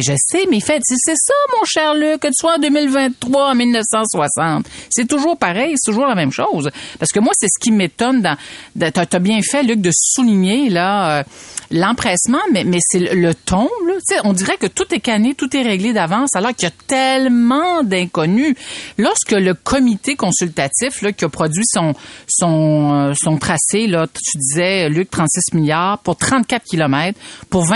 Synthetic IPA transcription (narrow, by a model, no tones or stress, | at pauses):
ɛʒəsemɛifɛsesɛsamɔ̃ʃɛʁlykkːət̪swaɑ̃d̪øːmilvɛ̃t̪ːχwaɑ̃milnəfsɑ̃swasɑ̃t̪sɛt̪uʒuːʁpaʁɛjset̪uʒuːʁlamɛ̃mʃowzpaʁsə̥kəmwasɛsə̥kʲimet̪ɔnd̪ɑ̃d̪t̪at̪abjɛ̃fɛlyk̚d̪əsuliɲelaølɑ̃pχɛsmɑ̃mɛmɛsɛlələt̪ʰɔ̃blɔt̪t͡seɔ̃d̪iʁɛkət̪ut̪ɛkanet̪ut̪ɛʁeɡled̪avɑ̃ːsalɔːʁkʲiat̪ɛlmɑ̃d̪ɛ̃kɔnylɔʁskələkʰɔmit̪ekɔ̃sylt̪at̪ɪflʌkʲiapχɔdzɥisɔ̃sɔ̃øsɔ̃t̪χaselʌt̪yd̪izɛlyk̚t̪χɑ̃t̪sɪsmiljaːʁpuʁt̪χɑ̃t̪̚kʲat̪̚kʲilɔmɛːt̪χpuʁvɛ̃